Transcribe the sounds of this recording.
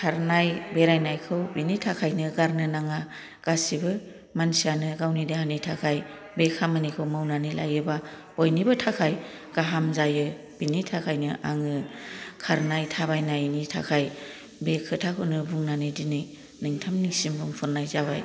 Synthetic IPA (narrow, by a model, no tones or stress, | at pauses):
kʰaɾnajbeɾajnajkʰɯwbinitʰakʰajnɯɡaɾnɯnaŋa | ɡ̥asibɯ | mansianɯɡawnidehanitʰakʰaj | bekʰamanikʰɯwmawnanila̰jɯba | bojnibɯtʰakʰaj | ɡ̥aɦamzajɯ | b̥initʰakʰajnɯʔaŋɯkʰaɾnajtʰabajnajnitʰa̰kʰaj | bekʰɯtʰakʰɯnɯbuŋnanɯdinɯj | nɯŋtʰamnisimbɯŋpʰɯɾnajzaba̰j